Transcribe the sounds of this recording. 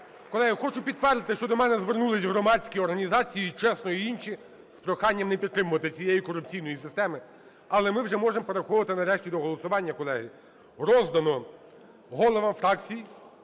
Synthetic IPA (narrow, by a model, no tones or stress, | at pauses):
kɔlˠɛɦixɔt͡ʃʊpʲid̪t̪ːʋɛrd̪ɪt̪ɪʃt͡ʃɔd̪ɔmɛnɛzʋernulˠɪsʲɦɾɔmɑdt͡sʲsʲkʲiɔrɦɐnʲizɑt͡sʲijit͡ʃɛsnɔjiinʃʲi | spɾɔxɑnʲːɐmnɛpʲid̪t̪ːɾɪmʊʋɐt̪ɪt͡sʲijejikɔrʊp̚t͡sʲijn̪ɔjisɪst̪ɛmɪ | ɐlˠɛmɪwʒɛmɔʒempeɾexɔʋʋɐt̪ɪnɐɾɛʃtʲid̪ɔɦɔlˠɔsʊʋɑnʲːɐkɔlˠɛɦɪ | ɾɔzd̪ɐnɔ | ɦɔlˠɔʋɐmfɾɑkt͡sʲij